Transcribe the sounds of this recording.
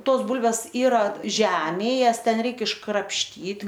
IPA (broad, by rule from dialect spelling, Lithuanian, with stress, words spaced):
ˈtoːs ˈbuːlʲʋʲɛs ˈiːrɐ ˈʒʲæːmʲeːj ˈjɛs ˈtʲɛn ˈrʲɛɪk ɪʃkrɐpʲʃʲˈtʲiːt